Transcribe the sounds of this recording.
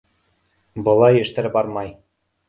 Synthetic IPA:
bɤ̆lˠɑjɘ̆ʃt̪ɘ̆ɾɘbɑɾmɑj

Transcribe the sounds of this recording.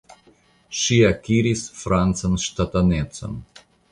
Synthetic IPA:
ʃiakiɾisfɾant͡sanʃtat̪anett͡so̰n

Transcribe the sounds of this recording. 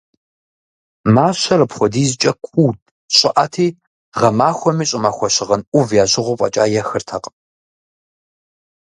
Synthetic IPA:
maːɕɐrɐpχʷɔdiːzɨt͡ʃʼɐkʷʰuːtʼ | ɕʼɪʔɐtʰiː | ʁɐmaːxʷɔmiːɕʼɪmaːxʷɔɕɪʁɐnʔʷʊvjaːɕʼɪʁʷʊpʼɐ̰t͡ʃʼa̰ːjɛxɨrtʰɐqʼ

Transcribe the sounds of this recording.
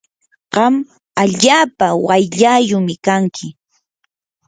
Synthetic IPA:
ɢ̥ɑm | aʎaːpawajʎajʊmɪkaŋkʰɪ

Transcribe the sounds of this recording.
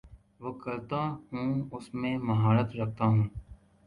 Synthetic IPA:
ʋoːkɐlt̪aːhũːʊsmẽːmɐɦaːɾət̪ɾək̚ʰt̪aɦũː

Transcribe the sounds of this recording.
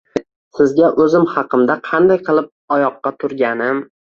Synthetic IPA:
sɪzɡʲaʔɵzɪmhɑqʰɨmd̪aqʰɑnd̪ajqʰɨlˠɪp̚ɒjɒqːɑt̪ʰʊɾɡʲanɪm

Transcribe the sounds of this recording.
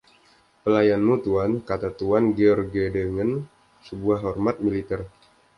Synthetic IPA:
pəlajanmut̪uankat̪at̪uanɡeɔrɡedəŋən | səbuaɦːɔrmat̪̚milit̪ɛr

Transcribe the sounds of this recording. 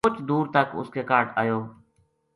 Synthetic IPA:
ʊt͡ʃd̪uːɾt̪əkʊ̰skeːkaːɾʈa̰ːjoː

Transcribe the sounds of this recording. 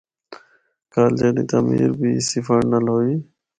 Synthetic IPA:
kaːld͡ʒeːɗḭ̃ːt̪aːmḭːɾbiːsiːfaːnəlɦoːiː

